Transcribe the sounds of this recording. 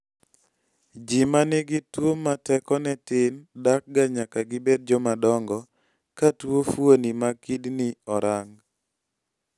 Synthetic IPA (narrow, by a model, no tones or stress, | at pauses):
d͡ʒimanɪɡɪtwomatɛkɔnɛtɪndak̚ɡaɲakaɡɪbed̚d͡ʒɔmadɔŋɡɔ | katwofwonimakidnɪɔɾaŋ